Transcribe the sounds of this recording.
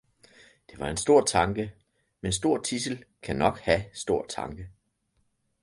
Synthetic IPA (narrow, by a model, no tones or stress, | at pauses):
d̥e̝ʋɑ̈e̝nsd̥o̝ɐ̰t͡sʰɑ̈ŋɡ̥ə | mensd̥o̝ɐ̰t͡sʰisəl̩kʰænɒ̽ɡ̥hæsd̥o̝ɐ̰t͡sʰɑ̈ŋɡ̥ə